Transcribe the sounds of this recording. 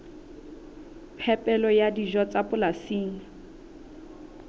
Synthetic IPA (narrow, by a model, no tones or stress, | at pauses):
pʰɛpʼɛlɔjadiʒɔt͡sʼapʊlasiːŋ̩